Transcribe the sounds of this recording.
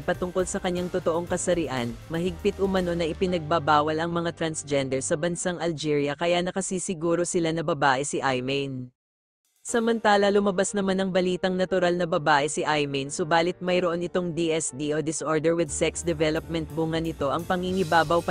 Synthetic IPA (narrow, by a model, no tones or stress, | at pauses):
pɐt̪ʊŋko̞lsɐkɐɲːaŋt̪ot̪o̞ʔo̞ŋkɐsɐɾɪʔanmɐɦɪɡ̚pɪt̪ʊmɐno̞nɐʔɪpɪnɐɡ̚bɐbaːwɐlɐŋmɐŋat̪ɾɐnsd͡ʒɛnd̪ɛɹsɐbɐnsaŋɐld͡ʒiɹjɐkɐjanɐkɐsiːsɪɡuːɾo̞sɪlanɐbɐbaːʔɛsiʔajmɛn | sɐmɐnt̪aːlɐlʊmɐbasnɐmanɐŋbɐliːt̪ɐŋnɐt̪ʊɾalnɐbɐbaːʔɛsɪʔajmɛnsʊbaːlɪt̪̚mɐjɾoʔo̞nɪt̪o̞ŋd̪iʔɛsd̪iʔod̪ɪsʔo̞ɹd̪ɛɹwɪd̪sɛksd̪ɛvɛlop̚mɛnt̪̚buŋɐnɪt̪o̞ʔɐŋpɐŋhiŋɪbaːbɐwp